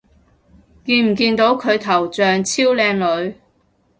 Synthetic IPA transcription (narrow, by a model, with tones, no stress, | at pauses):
kiː˧nm̩˨˩kiː˧nt̪o˨˥wkʰɵ˨˧ɥt̪ʰɐ˨˩wt͡sœː˨˧ŋt͡sʰiː˥wlɛː˧ŋlɵ˨˧ɥ